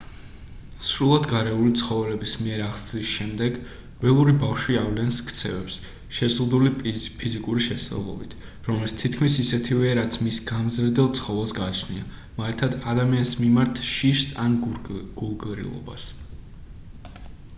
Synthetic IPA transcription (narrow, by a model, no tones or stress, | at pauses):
sɾulˠad̪ɡaɾɛulit̪sʰχɔvɛlɛbismiɛɾaʁslisʃɛmd̪ɛɡ | v̥ɛlˠuɾibafʃwiavlɛnskʰt̪sʰɛ̰vɛps | ʃɛzʁud̪ulipʰizikʼuɾiʃɛsɛ̰lˠɔ̰bit̪ʰ | ɾɔmɛlist̪ʰit̪kʰmisisɛt̪ʰivɛaɾat̪sʰmisɡamzɾɾd̪ɛlˠt̪sʰχɔvɛlˠsɡaːt͡ʃʰnia | maɡalit̪ʰad̪ad̪amiansmimaɾt̪ʰʃiʃsanɡ̥ulˠɡˠɾḭlˠɔ̰ba̰s